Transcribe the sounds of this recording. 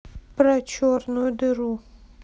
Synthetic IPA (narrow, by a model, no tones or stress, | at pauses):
pɾat͡ʃoɾnod̪əɾu